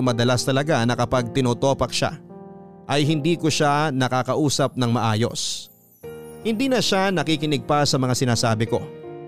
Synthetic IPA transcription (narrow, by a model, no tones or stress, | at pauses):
mɐd̪ɐlast̪ɐlɐɡanɐkɐpaɡ̚t̪ɪnoːt̪o̞ːpɐk̚ʃa̰ | ʔɐjɦɪnd̪iːkoʃanɐkaːkɐʔuːsɐp̚nɐŋmɐʔaːjo̞̰s | hɪnd̪iːnɐʃanɐkikɪnɪɡ̚pasɐmɐŋasɪnaːsaːbɪko̞̰